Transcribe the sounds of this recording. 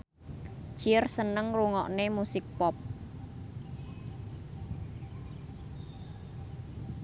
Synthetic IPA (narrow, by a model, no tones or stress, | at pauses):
d͡ʒ̥iərsənəŋruŋɔ̰ʔnemusɪk̚pɔp̚